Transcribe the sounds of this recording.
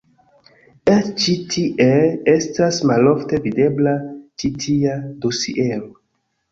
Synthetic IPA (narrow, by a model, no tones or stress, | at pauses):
et͡ʃitʰiʔeestasmalo̞fte̞vide̞blat͡ʃitʰiado̞sḭʔeɾo